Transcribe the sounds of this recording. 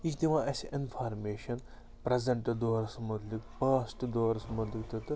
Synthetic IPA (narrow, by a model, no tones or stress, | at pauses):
it͡ʃt̪iʋãʔɐsinfʰaːɾmeːʃɐn | pɾɐzɐɳʈd̪oːɾɐsmʊt̪likpɐːsʈd̪oːɾɐsmʊt̪likt̪ɐt̪ɨ